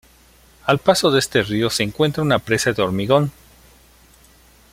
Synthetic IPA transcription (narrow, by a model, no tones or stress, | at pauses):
alpaso̞ðest̪erio̞se̞ːŋkwe̞nt̪ɾaunapɾe̞saðeo̞ɾmiɣo̞n